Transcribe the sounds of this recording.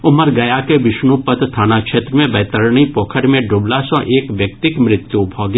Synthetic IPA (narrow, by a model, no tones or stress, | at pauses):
ʊməɾɡɐjakeʋɪʃnupət̪t̪ʰaːnakʃeːt̪ɾəmẽbɛːt̪əɾɳipoːkʰəɾmẽɖʊːblasɔ̃ʔeːkʋjək̚t̪ɪkmɾɪt̪jubʱɔːɡ